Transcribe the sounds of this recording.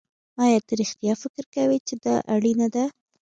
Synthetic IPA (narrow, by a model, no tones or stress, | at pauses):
ɑjɑt̪aɾɪxt̪jɑfɪkɾkawit͡ʃed̪ɑʔaɽinad̪a